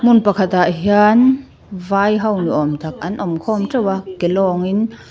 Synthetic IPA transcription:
munpɐkʰat̪aʔɦian | vajɦɐwniʔɔmt̪ʰak̚ɐnʔɔmkʰɔmʈ͡ʂɐwakelɔːŋin

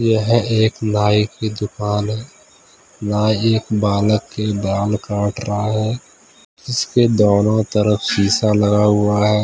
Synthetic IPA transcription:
jeɦɛ̃ʔeːknaːiked̪ʊkaːnɦɛ | naːieːkbaːləkːebaːlkãːʈɾəɦaɦɛː | d͡ʒɪsked̪oːnõt̪əɾəfsiːsalɐɡaɦʊaɦɛː

